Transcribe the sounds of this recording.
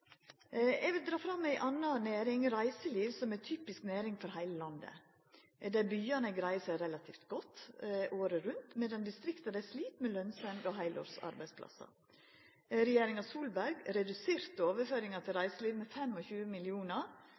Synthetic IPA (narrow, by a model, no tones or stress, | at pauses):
ɛɡʋɪld̪ɾɑːfɾɑmːæɪʔɑnːɑneːɾɪŋɾæɪsəliːʋsɔmæt̪ʰyːpɪsknæːɾɪŋfɔɾhæɪləlɑnd̪ə̰ | d̪æbyːɑnəɡɾæɪsəɾɛlɑt̪ʰiːft̪ɡɔt̪ːʔoːɾəɾʉnt̪mɛd̪ɛnd̪ɪst̪ɾɪkt̪ɑd̪æɪsliːt̪meːlœnsɛnɡ̪ɔɦæɪlʔɔ̰ːɾsɑ̰ɾbæɪspʰlɑ̰sɑ̰ | ɾɛjeːɾɪŋɑsuːlbæɾɡɾɛd̪ʉseːɾt̪oːʋəføːɾɪŋɑt̪ʰɪlɾæɪsəliːʋmɛfɛmɔçʉːəmɪlɪuːnɑɾ